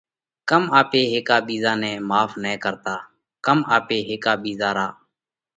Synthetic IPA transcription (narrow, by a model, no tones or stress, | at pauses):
kəmaːpeːɦeːkaːɓiːzãːnɛ̃ːmaːfʰnɛ̃ːkəɾt̪aː | kəmaːpeːɦeːkaːɓiːzaːɾaː